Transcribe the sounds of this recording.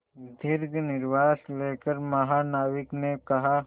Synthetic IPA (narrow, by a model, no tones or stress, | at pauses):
d̪ʱɪɾɡnɪɾʋaːsleːkəɾmɐɦaːnaːʋɪknekɐɦa